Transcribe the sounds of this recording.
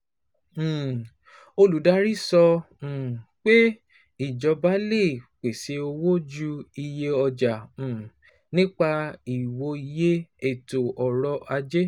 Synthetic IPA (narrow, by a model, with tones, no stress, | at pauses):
o˧lu˨˦da˨˦ɾi˦˨sɔ̃˧˨ | k͡pe˦ | i˦˨d͡ʒɔ˨˧ba˦le˦˨k͡pe˨se˧o˧wo˦d͡ʒu˦i˧je˧ɔ˧d͡ʒã˨ | nĩ˦k͡pa˧i˨wo˧i˧je˦e˦˨to˨ʔɔ˨ɾɔ˧ʔa˧d͡ʒe˦